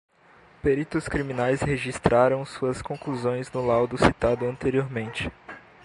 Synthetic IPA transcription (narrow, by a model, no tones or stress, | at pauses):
peɾit̪ʊskɾimĩnajsheʒist̪ɾaɾɐ̃w̃suɐskõkluzõj̃znʊlawd̪ʊsit̪ad̪ʊɐ̃nt̪eɾioɾmẽnt͡ʃɪ̥